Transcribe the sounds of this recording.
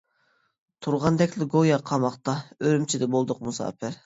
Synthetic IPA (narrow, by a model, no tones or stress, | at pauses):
t̪ʰuɾʁɑnd̪ɛkʲlɪɡojɑqʰɑmɑχt̪ɑøɾymt͡ʃʰid̪ɛbolˠd̪ʊqmusɑ̰ːpɪɾ